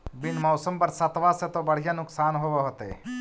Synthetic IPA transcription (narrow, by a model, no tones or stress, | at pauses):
bɪnmɔːsəmpɐɾsɐt̪ʋaset̪obɐɽ̤ijanʊksaːnɦoʋoɦot̪ḛ